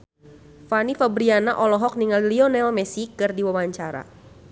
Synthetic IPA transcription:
fanifabɾianaʔɔlɔɦɔk̚niŋaliliɔnɛlmɛsikɨrdiwawaɲt͡ʃaɾa̰

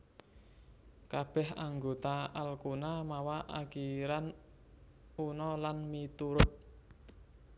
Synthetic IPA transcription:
kab̥ɛhaŋɡot̪aalkunamawaʔakiɾan | unɔlanmit̪uɾʊt̪̚

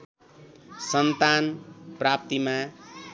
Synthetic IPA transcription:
sʌnt̪anprap̚t̪ima

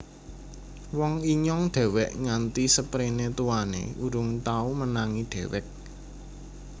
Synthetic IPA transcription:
wɔŋiɲɔŋɖ̪̥e̤wɛʔŋant̪isəpɾinet̪uwanḛuɾʊŋt̪aumənaŋiɖ̪̥e̤wɛk̚

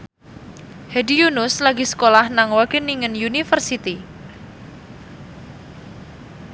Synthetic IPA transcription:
hɛdijunʊslaɡisə̥kolahnaŋwaɡ̥eniŋənjunifərsit̪i

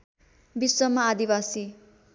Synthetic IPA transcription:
biswʌmaːd̪ibasi

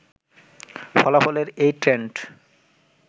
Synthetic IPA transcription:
fɔlafɔleɾejʈɾeɳʈ

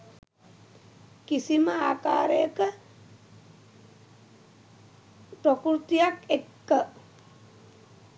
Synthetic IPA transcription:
kisiməaːka̰ːɾəjəkə | pɾokɾut̪ijakekːə

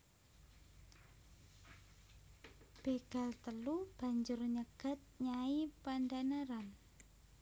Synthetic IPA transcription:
b̥eɡ̥a̤lt̪əlub̥a̤ɲd͡ʒʊrɲəɡ̥ə̤t̪̚ɲaipandanaɾan

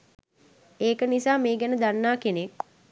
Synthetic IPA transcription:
eːkənisaːmeːɡænəd̪anːaːkenek̚

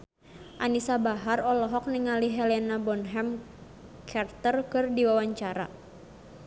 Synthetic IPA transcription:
ʔanisabaɦarɔlɔɦɔk̚niŋaliɦɛlɛnabɔnɦɛm | kʰart̪ərkɨrdiwawaɲt͡ʃaɾa̰

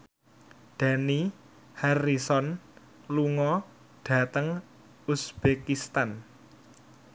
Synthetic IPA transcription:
d̪̥a̤ni | harisɔn | luŋɔ | ɖ̥ä̤t̪əŋ | usb̥ekist̪an

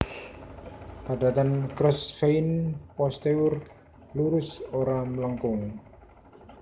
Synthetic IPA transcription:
pad̥̪a̤t̪ankɾəsfeinpɔst̪eʊr | luɾʊsoɾamələŋkʊŋ

